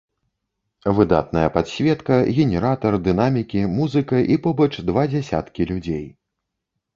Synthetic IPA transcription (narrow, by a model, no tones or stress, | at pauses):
vɨd̪a̰t̪̚nɐjɐpad̪sʲvʲɛt̪kɐɣʲɛnʲɛɾat̪ɐrd̪ɨnamʲikʲimuzɨkɐʔipɔbɐt͡ʂd̪vad͡zʲɛsʲa̰t̪kʲilʲud͡zʲej